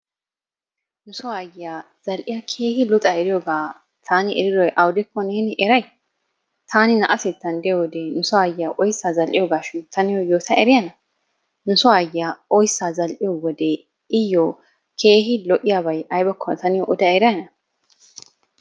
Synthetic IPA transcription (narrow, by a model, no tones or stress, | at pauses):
nʊsɔaːjɪja | z̥ɐlʔɪjakʰe̞ːhɪlʊt̪ʼɐɛɾɪjoɡaː | t̪ʰaːnɪʔɛɾɪd̪ɔjʔɐwd̪ɪkːɔneːnɪʔɛɾɐj | t̪ʰaːnɪnɐʔɐsɪt̪ːɐnd̪ɛjowɔd̪ɛnʊsɔaːjɪjaʔɔjsːaːzɐlʔɪjɔɡaːʃɪnt̪ːɐnɪjɔjoːt̪ʰɐʔɛɾɪjɐnɐ | nʊsɔaːjɪjaɔjsːaːzɐlʔɪjɔwɔd̪e | ɪjːo | kʰeːhɪlɔʔɪjaːbɐjʔɐjbɐkʰːɔt̪ɐnɪjɔʔɔd̪ɐɛɾɐjɐnɐ